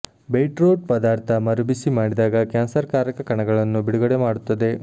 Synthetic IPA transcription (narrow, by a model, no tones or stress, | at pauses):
bejʈɾoːʈ̚pɐd̪aːɾt̪ʰɐmɐɾubisimaːɽid̪aːɡɐkaːnsɐɾkaːɾɐkɐkɐɳɐɡɐɭɐnːubiɽuɡɐɽe̞maːɽut̪ːɐd̪e̞